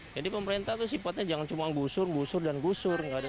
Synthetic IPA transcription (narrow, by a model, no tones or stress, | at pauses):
d͡ʒadipəməɾent̪aht̪ʊs̬ifat̪̚ɲad͡ʒaŋant͡ʃumaɡusʊrɡusʊrdanɡusʊrɡada